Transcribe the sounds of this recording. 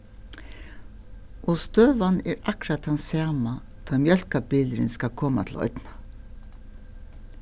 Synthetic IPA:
ʔoːst̪øːʋɑnæːɾɑkɾɑt̪hɑnsɑːmɑd̪̥ɑːmjœlkɑbɪləɾənskɑkʰɔma̰t̪ʰl̩ʔɔ̰ʏd̪nɑ

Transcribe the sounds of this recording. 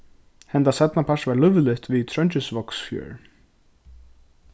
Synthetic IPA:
hɛnt̪asɛt̪napʰḁsvaɾlʏvlɪht̪viðt̪ʰɾœɲt͡ʃɪsvɔksfjœ̰ːɹ

